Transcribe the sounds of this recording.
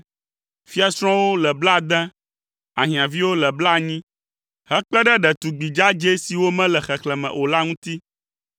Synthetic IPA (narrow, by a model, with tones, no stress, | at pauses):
fi˦a˨sɾ̃ɔ̃˦wo˦lɛ˨bla˦˨d̪ɛ̃˦ | a˨ɦĩ˨ã˨vi˦wo˦lɛ˨bla˦˨ɲĩ˦ | hɛ˦k͡plɛ˦ɖɛ˦ɖɛ˨t̪u˨ɡ͡bi˨d͡ʒa˦d͡ʒe˦si˨wo˦mɛ̃˦lɛ˨xɛ˨klɛ˨mɛ̰̃˨ʔo˨la˦ŋũ˦t̪i˦